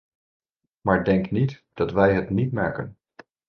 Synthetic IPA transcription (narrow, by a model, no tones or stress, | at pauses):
maːɹdɛŋknitd̥ɑtʋɛjɦətnitmaːkən